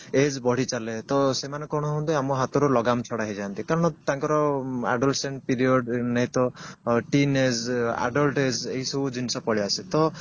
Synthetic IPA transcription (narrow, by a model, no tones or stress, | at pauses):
ed͡ʒbɔɽ̤it͡ʃalet̪ɔsemanɔkɔɽ̃ɔɦɔ̃d̪eamɔɦat̪ɔɾulɔɡamt͡ʃʰɔɽaɦed͡ʒant̪ikaɾɔɽ̃ɔt̪aŋkɔɾɔa̰ɖɔlseɳʈpiɾiɔɖnaɦit̪ɔʈined͡ʒa̰ɖɔlʈed͡ʒeɦisɔbud͡ʒinisɔpɔɽiaset̪ɔ